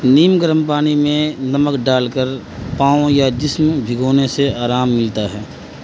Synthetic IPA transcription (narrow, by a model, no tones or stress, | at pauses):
niːmɡəɾəmpaːnimẽnɐməkɖaːlkəɾ | pãːõjad͡ʒɪsmbʱɪɡoːneseaːɾaːmːɪlt̪aɦɛː